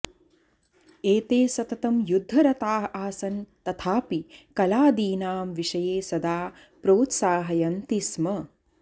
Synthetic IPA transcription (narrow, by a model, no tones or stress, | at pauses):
eːt̪eːsɐt̪ɐt̪ɐmjud̪ʱːɐɾɐt̪aːɦaːsɐnt̪ɐt̪ʰaːpikɐlaːd̪iːnaːmʋiʃɐjeːsɐd̪aː | pɾoːt̪saːɦɐjɐnt̪ismɐ